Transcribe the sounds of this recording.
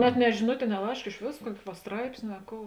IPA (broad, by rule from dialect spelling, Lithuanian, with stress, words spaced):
nʲɛt nʲɛ ʒʲɪˈnʊtʲeː ɪ nʲɛ ˈlˠɐɪʃk ɪʃ ˈʋʲeːs ˈkuɔkʲɪ ʋɐ ˈstrɐɪpʲsʲnʲɪ ɐ ˈkoːʊ